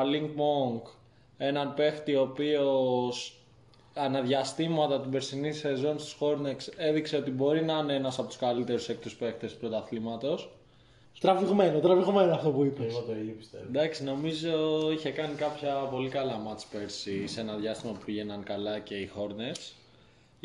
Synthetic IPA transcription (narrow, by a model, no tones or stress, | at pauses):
ɐliŋɡ̚moŋɡ | e̞nɐnpe̞xt̪io̞pioo̞s | ɐnɐðʝɐst̪imɐt̪ɐt̪ibe̞ɾsinise̞zo̞nst̪i̥sxo̞ɾnekse̞ðikse̞o̞t̪ibo̞ɾinɐineenɐsɐpo̞t̪u̥skɐlit̪e̞ɾuse̞k̚t̪uspe̞xt̪espɾo̞t̪ɐθlimɐt̪o̞s | t̪ɾɐviɣmenot̪ɾɐviɣomenoɐft̪opuipɐt̪oipist̪ed̪ɐksino̞mizo̞içe̞kɐnikɐpçɐpo̞likɐlɐmɐt͡spe̞ɾsise̞nɐðʝɐst̪imɐpupiʝe̞nɐnkɐlɐce̞ixo̞ɾnes